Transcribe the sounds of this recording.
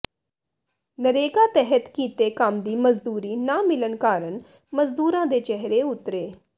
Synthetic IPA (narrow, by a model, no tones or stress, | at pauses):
nəɾeːɡaːt̪ɛɦət̪kiːt̪eːkəmd̪iːməzd̪uːɾiːnaːmɪlənkaːɾən | məzd̪uːɾãːd̪eːt͡ʃɛɦɾeːʊt̪ɾeː